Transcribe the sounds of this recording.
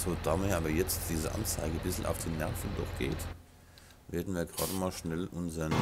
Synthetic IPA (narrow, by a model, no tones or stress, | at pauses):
z̥oːd̥aːmeːʔaːbɐjɛt͡std̥iːzəʔa̰nt͡saɪɡəbɪsl̩ʔa̰ʊfd̥iːnɛʁfn̩dɔ̰χɡ̥ḛːt | veːɐdn̩viːɐɡʁa̰ːdəmaːlʃnɛlʔʊnzɐn